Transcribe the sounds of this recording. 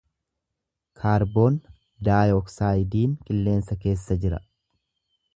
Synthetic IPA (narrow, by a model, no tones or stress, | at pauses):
kʰaːɾbo̞ːn | d̪aːjɔksaːjd̪iːŋkʼɪlːe̞ːnsɐke̞ːsːɐd͡ʒɪɾɐ̰